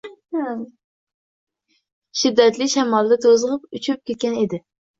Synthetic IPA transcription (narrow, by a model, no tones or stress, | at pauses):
ʃid̪ːɛt̪lɪʃɛmɑlˠɨd̪ɛt̪ʰøzəʁəpyt͡ʃʰyɾp̚kʲet̪̚kʲɛned̪ɪ